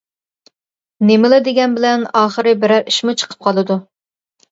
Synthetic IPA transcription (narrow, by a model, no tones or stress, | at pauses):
nemɪlɪd̪eɡʲɛnbɪlɛnɑːχəɾɨbɪɾæɾiʃmʊt͡ʃʰə̥qʰə̥p̚qʰɑlˠɨd̪u